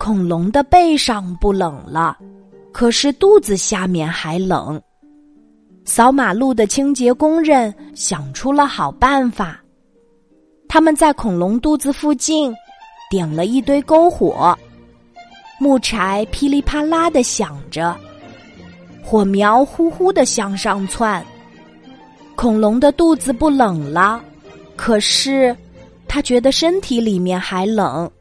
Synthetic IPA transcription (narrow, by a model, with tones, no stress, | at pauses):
kʰʊ˨˩ŋlʊ˧˥ŋd̪ə˧pe˥˧ɪʂɑ˥˧ŋpu˥˩lɤ˨˩ŋlə̰˦ | kʰɤ˨˩ʂɻ̩˥˧t̪u˥˩d͡zɹ̩˨˩ɕja˥˧mjɛ˥˩nxa˧˥ɪlɤ̰˨˩˦ŋ | sɑ˧˥ʊma˨˩lu˥˩d̪ə˩t͡ɕʰi˥ŋt͡ɕjɛ˧˥kʊ˥ŋɻə˥˩nɕjɑ˨˩ŋʈ͡ʂʰu˥lə˨xɑ˨˩ʊpa˥˩nfa˨˩ | t̪ʰa˥mə˨nt͡sa˥˩ɪkʰʊ˨˩ŋlʊ˧˥ŋt̪u˥˩d͡zɹ̩˨fu˥˧t͡ɕi˥˩nt̪jɛ˨˩nlə˦i˥˧t̪we˥˧ɪko˥ʊxwɔ̰˨˩˦ | mu˥˩ʈ͡ʂʰa˧˥ɪpʰi˥li˥˩pʰa˥la˥d̪ə˨ɕjɑ˨˩ŋʈ͡ʂə˦ | xwɔ˨˩mjɑ˧˥ʊxu˥xu˥d̪ə˨ɕjɑ˥˧ŋʂɑ˥˧ŋt͡sʰwa˥˩n | kʰʊ˨˩ŋlʊ˧˥ŋd̪ə˧t̪u˥˩d͡zɹ̩˨pu˥˩lɤ˨˩ŋlə˦ | kʰɤ˨˩ʂɻ̩˥˩ | t̪ʰa˥t͡ɕɥɛ˧˥d̪ə˧ʂə˥nt̪ʰi˧˥li˨˩mjɛ˥˩nxa˧˥ɪlɤ˨˩˦ŋ